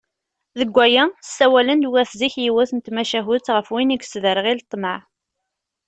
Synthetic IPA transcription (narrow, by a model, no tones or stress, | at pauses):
ðəɡʷːæjæsæwælənd̪wæθziçjiwæθənt̪mæʃæɦʊt͡sːʁəfwiniɡsðəɾʁilt̪ˤːməʕ